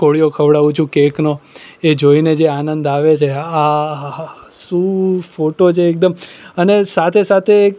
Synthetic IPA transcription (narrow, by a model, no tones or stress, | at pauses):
koɭijokʰəʋɽaʋũt͡ʃʰũkeknoed͡ʒoined͡ʒeanənd̪aʋet͡ʃʰea | sũfoʈot͡ʃʰeːk̚d̪əmənesat̪ʰesat̪ʰe